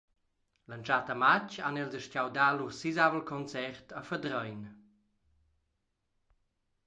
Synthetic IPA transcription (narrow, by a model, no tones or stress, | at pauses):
lənt͡ʃatamat͡ʃanɛlzəʃcawdalusizavəlkʰɔnt͡sɛrt̪əfədɾɔjn